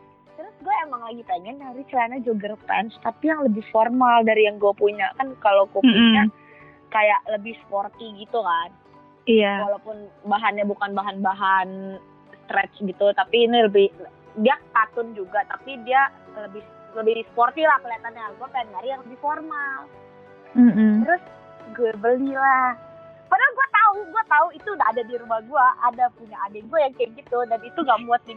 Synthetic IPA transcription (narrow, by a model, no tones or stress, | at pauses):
t̪əɾʊsɡuaemaŋlaɡipeŋɛnːaɾit͡ʃəlaɲad͡ʒuɡəɾpɛ̰nst̪apijaŋləbɪhformaldaɾijaŋɡuapuɲakankalokupuɲa | kajaʔləbɪhsə̥port̪iɡit̪ukan | iawalawpʊnbaɦanɲabukanbaɦanbaɦan | st̪ɾɛt͡ʃɡit̪ut̪apiːniləbɪh | diakat̪ʊnd͡ʒuɡat̪apidialəbɪh | ləbɪhdisə̥port̪ilahkəliat̪anɲaɡuapanɡaɾijaŋləbɪhformal | m̩m̩t̪ɾʊs | ɡuabəlila | padaɡuat̪auɡuat̪auit̪undaʔːdadiɾumahɡuaʔadapuɲaadanɡuajaŋkəŋɡit̪udanit̪uŋɡaʔmuat̪̚di